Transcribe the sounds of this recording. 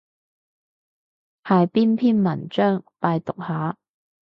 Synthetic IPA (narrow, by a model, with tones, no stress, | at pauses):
haː˨jpiː˥npʰiː˥nmɐ˨˩nt͡ʃœː˥ŋpaː˧jt̪ʊ˨k̚haː˨˥